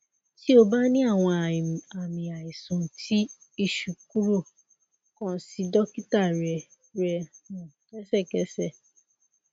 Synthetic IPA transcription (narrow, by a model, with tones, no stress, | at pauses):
ti˦o˧ba˦nĩ˦a˦˨w̃ɔ̃˧a˨a˨mĩ˨a˨i˨sũ˨tʰi˦ | i˦˨ʃu˨k̚u˦ɾo˦˨ | kɔ̃˨˦si˧dɔ˦ki˦ta˦˨ɾɛ˨ | ɾɛ˧ũ˨kɛ˦sɛ˦˨kɛ˨˦sɛ˦˨